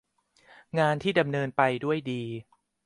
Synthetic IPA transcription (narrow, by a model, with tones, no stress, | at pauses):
ŋaː˧nt̪ʰiː˥˩da˧mnɤː˧npa˧jdu˥˩əjdiː˧